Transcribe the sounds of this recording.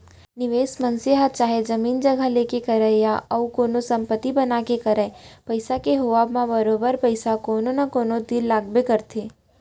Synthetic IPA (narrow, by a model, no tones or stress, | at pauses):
nɪʋeːsmɐ̃nsiɦat͡ʃaːɦed͡ʒɐmiːnd͡ʒɐɡʱaleːkekɐɾəjaɐukoːnosɐ̃mpət̪ːibɐnakekɐɾɛpɐɪsakeɦoʋaːbmãbɐɾoːbəɾpɐɪsakoːnonakoːnõd̪ilːaːɡbekɐɾt̪ʰeː